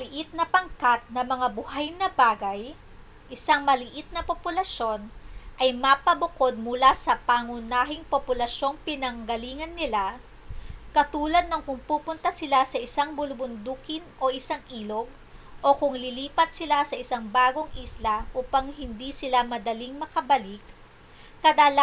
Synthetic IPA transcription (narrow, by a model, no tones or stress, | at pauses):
mɐlɪʔɪt̪̚nɐpɐŋkat̪̚nɐmɐŋabʊɦajnɐbaːɡɐj | ʔɪsaŋmɐlɪʔit̪̚nɐpopʊlɐʃo̞nʔɐjmɐpɐbʊko̞d̪̚mʊlasɐpaŋʊnaːɦɪŋpopʊlɐʃo̞ŋpɪnɐŋɡɐliːŋɐnːɪla | kɐt̪uːlɐd̪̚noŋkʊŋpuːpʊnt̪ɐsɪlasɐʔɪsaŋbʊlʊbʊnd̪uːkɪnʔo̞ʔɪsaŋʔiːlo̞ɡ̚ | ʔo̞kʊŋlɪliːpɐt̪̚sɪlasɐʔɪsaŋbaːɡo̞ŋʔislɐʔuːpɐŋɦɪnd̪isɪlamɐd̪ɐliŋmɐkɐbɐlikː | ɐd̪al